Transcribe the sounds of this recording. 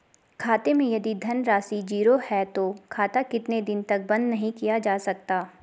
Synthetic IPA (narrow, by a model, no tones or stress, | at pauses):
kʰaːt̪emẽjɐd̪id̪ʱɐnɾaːsid͡ʒiːɾohɛt̪okʰaːt̪akɪt̪ned̪ɪnt̪ɐk̚bɐ̃nd̪nɐɦĩkijad͡ʒaːsɐk̚t̪aː